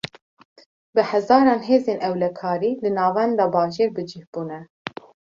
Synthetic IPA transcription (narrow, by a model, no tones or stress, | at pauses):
bɨhɛzɑːɾɑːnɦeːzeːnʔɛwlɛkʰɑːɾiːlɨnɑːvɛnd̪ɑːbɑːʒeːɾbɨd͡ʒihb̥uːnɛ